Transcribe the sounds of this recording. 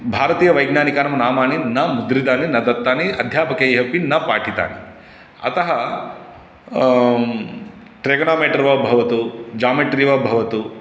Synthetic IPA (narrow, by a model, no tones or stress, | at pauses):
bʱaːɾɐt̪iːjɐʋɐjɡnaːnikaːnɐmɐnaːmaːninɐmud̪ɾid̪aːninɐd̪ɐt̪ːaːniɐd̪ʱjaːpɐkejeɦɐpinːɐpaːʈʰit̪a̰ːnḭ | ɐ̰t̪ɐɦɐ | ʈɾeːɡɐnaːmeːʈɐɾʋɐbʱɐʋɐt̪ud͡ʒaːmeʈɾiʋɐbʱɐʋɐt̪u